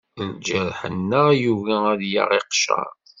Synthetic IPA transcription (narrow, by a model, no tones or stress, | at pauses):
ld͡ʒæɾħə̰nːəjuvææðja̰ʁiqʃɑ̰ɾˤ